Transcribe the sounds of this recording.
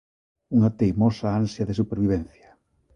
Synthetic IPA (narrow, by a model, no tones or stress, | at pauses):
uŋat̪ejmosaansjaðes̬upeɾβiβ̞ɛnθjḁ